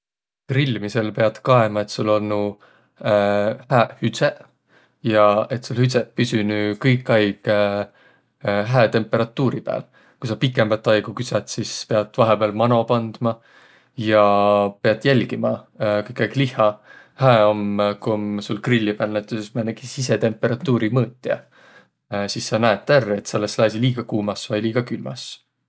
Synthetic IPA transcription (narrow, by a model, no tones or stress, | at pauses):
krilʲːmise̞lpe̞ɑd̪̥kɑe̞mɑe̞t̪ːˑsulːo̞lnːu | hæːhyse | jɑe̞t̪sulhyt̪sepysynyːkɤjkˑːɑjɡ̥ | ɦæet̪e̞mpːˑe̞ɾɑt̪ːuːɾipæ̰ːl | kujsɑpikːˑembɑt̪ːˑɑjɡ̥ukysɑt̪sispeɑd̪̥vɑɦepeɑlmɑno̞pɑnd̪̥mɑ | jɑpeɑd̪̥jælʲɡ̥imɑkɯjkːˑɑjɡ̥lihˑɑ | hæeo̞mkumsulkrilʲːipænːet̪ːˑusesmæneɡ̥isiset̪e̞mpːˑe̞ɾɑt̪ːuːɾimɤːt̪ʲːˑiɑ̰ | sisːɑnæet̪ːærːet̪sɑlːesːelɑsʲiliːɡ̥ɑkuːmɑsvɑjliːɡ̥ɑkylmɑ̰s